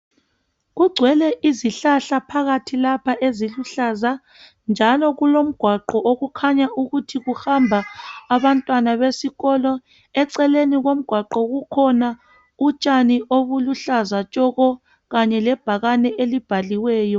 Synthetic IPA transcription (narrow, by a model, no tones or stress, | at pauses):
ɣuɡ͡ǀʱwɛlɛʔiziɬaɬapʰaɣatʰilapʰaʔeziluɬaza | nd͡ʒʱalɔɣulom̩ɡ̥ʱwaǃɔʔoɣukʰaɲaʔuɣutʰiɣuhambʱaːβantʼwanaβesiɣɔlɔ | ɛǀɛleniɣom̩ɡ̥ʱwaǃɔɣukʰɔna | ut͡ʃʼaniʔoβuluɬazat͡ʃʼɔɣɔ | ɣaɲɛlɛb̥ʱaɣanɛʔelib̥ʱaliwɛːjɔ